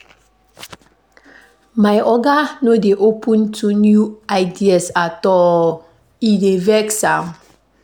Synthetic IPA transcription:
maɪɔɡanodeʔopʰũntʰunjuaɪdiasatɔ | idevɛksam

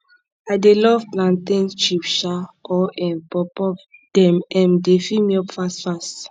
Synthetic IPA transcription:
adelɔvplãntĩnt͡ʃipʃaɔʔɛ̃npɔpɔpd̥ɛ̃mɛ̃mdefimiɔpfastfast

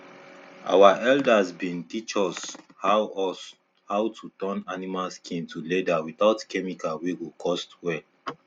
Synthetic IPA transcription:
ʔa̰waʔɛldasbĩntit͡ʃɔs | ha | hawtʰutɔ̃nanimalskʰĩntuledawiθaʊtkɛmikawiɡokʰɔstwɛl

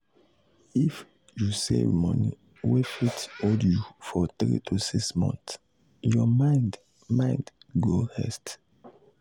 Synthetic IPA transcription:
if | jusevmɔnḭ | wefitodjufɔtɹḭtʰusiksmɔ̰̃nθ | jɔmaɪd | mãɪ̃ndɡohɛst

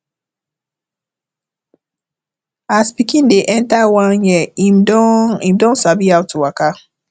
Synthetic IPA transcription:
aspikĩn̩deʔɛntawãɾɲɛimdɔimdɔ̃nsabiaʊtuwaka

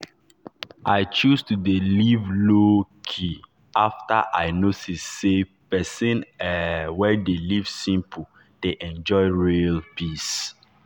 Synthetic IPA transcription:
ʔaɪt͡ʃustudelivlokʰi | afta̰ʔaɪnotisːepɛsĩnɛwɛdelivsĩmpʰu | d̥eʔɛ̃nd͡ʒɔɪɹilpis

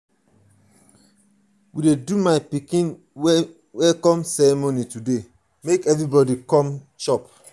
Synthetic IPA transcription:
widedumaɪpikĩn | w | wɛlkɔ̃msɛɹɛmonitude | mekɛvɹibɔdikɔ̃m | ʃɔp

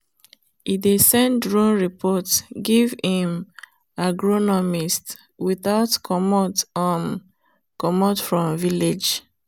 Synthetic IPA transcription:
idesɛ̃ndɹɔ̃nɹipʰɔtɡivĩm | aɡɹɔnɔmist | wiθaʊtkʰɔmɔtɔ | kɔmɔtfɹɔ̃mviled͡ʒ

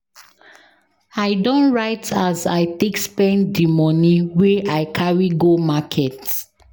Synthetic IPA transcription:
aɪdɔ̃nɹaɪtazaɪtekspɛ̃ndimɔniweʔaɪkʰaɹiɡomakʰɛt

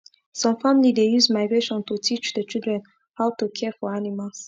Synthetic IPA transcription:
sɔ̃mfamilidejuzmaɪɡɹeʃɔ̃ntutʰit͡ʃdət͡ʃilˠdɹɛ̃n | haʊtukʰɛfɔanimals

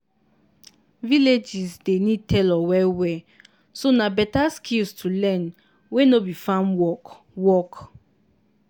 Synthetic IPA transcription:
viled͡ʒisdenitʰɛlɔwɛwɛ | sonabɛtaskʰilstʰulɛ̃n | wenobifãnwɔ | wɔk

